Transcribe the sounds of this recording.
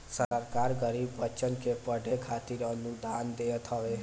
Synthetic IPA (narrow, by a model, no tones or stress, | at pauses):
səɾkaɾɡəɾibːətːt͡ʃənkepəɖekʰat̪iɾənud̪and̪et̪ʰəbe